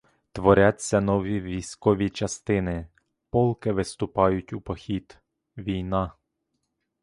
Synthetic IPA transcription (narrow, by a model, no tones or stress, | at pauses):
t̪ʋɔɾʲat͡sʲːɐnɔʋʲiʋʲijsʲkɔʋʲit͡ʃɐst̪ɪnɪ | pɔlˠkɪʋɪst̪ʊpɑjʊtʲʊpɔxʲit̪ | ʋʲijnɑ